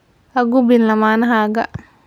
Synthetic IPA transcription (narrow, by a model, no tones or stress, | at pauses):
ɐɡubinlɐmaːnɐɦaɡɐ̰